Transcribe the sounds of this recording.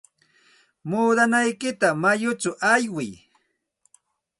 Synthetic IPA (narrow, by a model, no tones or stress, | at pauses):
muːd̪anajkɪt̪amajʊt͡ʃʊʔajwɪj